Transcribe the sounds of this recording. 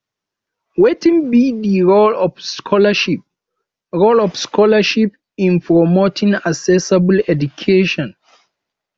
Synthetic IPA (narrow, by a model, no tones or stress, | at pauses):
wetĩŋbiðiɹolɔfskʰɔləʃip̚ | ɹolɔfskʰɔləʃip | ĩnpʰɹɔmotʰĩŋasɛsablɛdukʰeʃɔ̃n